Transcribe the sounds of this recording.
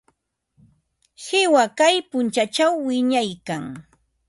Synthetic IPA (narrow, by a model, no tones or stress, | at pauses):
hɪwakajpʊnt͡ʃat͡ʃawːɪɲajkaŋ